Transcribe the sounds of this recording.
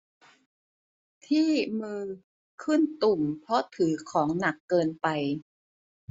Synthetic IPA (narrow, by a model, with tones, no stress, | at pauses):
t̪ʰiː˥˩mɯː˧ | kʰɯ˥˩nt̪u˨˩mpʰɾɔ˦˥t̪ʰɯː˩˦kʰɔː˩˦ŋna˨˩kːɤː˧npa˧j